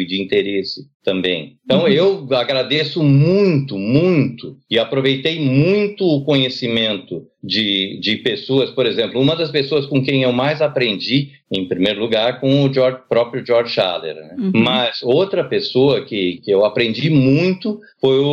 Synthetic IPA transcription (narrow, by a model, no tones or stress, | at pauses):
d͡ʒɪĩnt̪eɾesɪt̪ɐ̃mbẽj̃t̪ɐ̃w̃ewaɡɾad̪esʊmũj̃t̪ʊmũj̃t̪ʊɪapɾovejt̪ejmũj̃t̪ʊʊkõɲesimẽnt̪ʊ | d͡ʒɪd͡ʒɪpesoɐspoɾezẽmplʊũmɐd̪ɐspesoɐskõkẽj̃ewmajzapɾẽnd͡ʒi | ẽj̃pɾimejɾʊluɡaɾkõʊd͡ʒɔɾd͡ʒpɾɔpɾjʊd͡ʒɔɾd͡ʒʃa̰lḛɾnɛmɐzowt̪ɾɐpesoɐkɪkɪewapɾẽnd͡ʒimũj̃t̪ʊfojʊ